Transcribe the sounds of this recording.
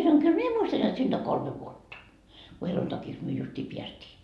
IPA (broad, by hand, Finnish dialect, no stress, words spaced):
sɑnoŋ kyl mie muistɑn jot siːnd̥ oŋ kolme ʋuotːɑ ku heluntɑkiks myø justiː piæstiː